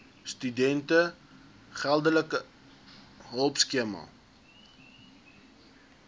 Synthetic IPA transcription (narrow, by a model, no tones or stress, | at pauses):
stydɛntə | χælˠdələkə | ɦəlˠpskiəmɑ̰